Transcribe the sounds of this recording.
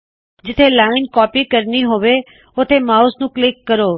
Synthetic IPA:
d͡ʒɪt̪ʰelaːɪnkɔːpikəɾniɦoʋe | ot̪ʰemaːʊsnũklɪkːəɾoː

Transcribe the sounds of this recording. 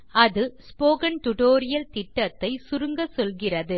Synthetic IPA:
ʔɐðɯspoːkɐnʈ̪ʊʈoːɾɪjɐlt̪ɪʈːɐt̪ːɐɪsʊɾɯŋɡɐsɔlɣɪrɐðɯ

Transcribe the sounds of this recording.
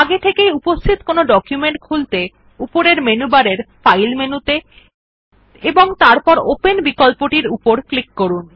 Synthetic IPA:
aɡet̪ʰekejupost̪ʰit̪konoɖɔkjumeɳʈ̚kʰult̪e | upoɾeɾmenubaɾeɾfajlmenut̪e | eboŋt̪aɾpɔɾopenbikɔlpoʈiɾupoɾklikːoɾun

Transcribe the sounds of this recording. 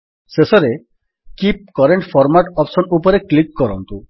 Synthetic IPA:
sesɔɾe | kip̚kɔɾeɳʈpʰɔɾmaʈɔpsɔnupɔɾeklikːɔɾɔnt̪u

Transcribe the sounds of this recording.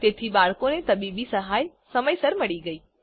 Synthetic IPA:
t̪et̪ʰibaɭkonet̪əbibisəɦaj | səməjsəɾməɭiɡəiː

